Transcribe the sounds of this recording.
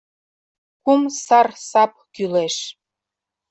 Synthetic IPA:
kumsɑrsɑp̚kyleʃ

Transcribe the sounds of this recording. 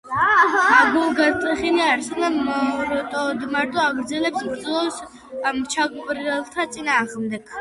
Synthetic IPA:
maɡulˠɡat̪ʼɛχiniaɾsɛnaɔɾɔt̪ʼɔd̪maɾt̪ʼɔaɡɾd̪zɛlɛpsbɾd̪zlɔs | mt͡ʃʰaɡupʼɾɛlˠt̪ʰat̪sʼinaːʁmd̪ɛɡ̥

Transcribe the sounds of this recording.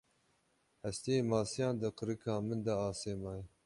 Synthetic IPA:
hɛst̪ijeːmɑːsijɑ̃ːnd̪əqɨɾɨkʰɑːmɨnd̪aɑːseːmɑːj

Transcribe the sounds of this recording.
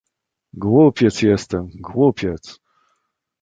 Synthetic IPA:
ɡwupʲjɛt̪sjɛst̪ɛmɡwupʲjɛt̪s

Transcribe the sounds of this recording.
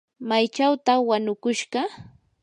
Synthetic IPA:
majt͡ʃawt̪awanʊkʊʃɢɑ

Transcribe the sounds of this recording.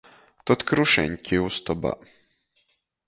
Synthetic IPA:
t̪ɔt̪kɾuʃɛ̰nʲkʰʲiust̪ɔba̰

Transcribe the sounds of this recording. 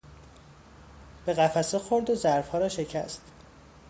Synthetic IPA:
b̥e̞ɣæfæsexoɾd̪ozæɾfhɒːɾɒːʃe̞cʰæ̰st̪

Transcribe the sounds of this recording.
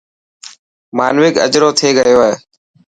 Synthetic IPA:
maːnʋɪkə̰d͡ʒɾoːt̪ʰeːɡəjoːɦḛː

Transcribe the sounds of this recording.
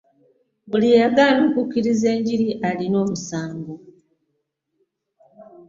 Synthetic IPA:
bulijaɡanokucːiɾize̞ːɲɟiɾiʔalino̞ːmusaːŋɡo

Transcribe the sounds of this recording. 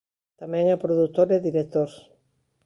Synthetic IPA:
t̪amɛ̃ŋapɾoðut̪oɾeðiɾek̚t̪oɾs

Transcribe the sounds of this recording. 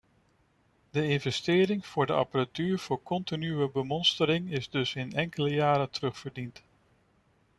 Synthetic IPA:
dəɪnvɛstɪːɾɪŋv̥ʊːɹdəɑ̰paratyːɹv̥ʊːɹkɔntinyʋəbəmɔnstəɾɪŋɪzdɵsɪnɛŋkələjaːɾətərɵχfəɹdint

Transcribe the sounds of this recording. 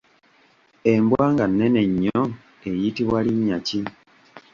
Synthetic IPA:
embwaːŋɡanːene̞ɲːo | ejitiβwaliɲːaci

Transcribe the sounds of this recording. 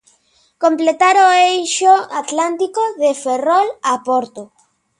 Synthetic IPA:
kõmplet̪aɾoejʃoat̪lant̪ikoðeferɔlapoɾt̪o

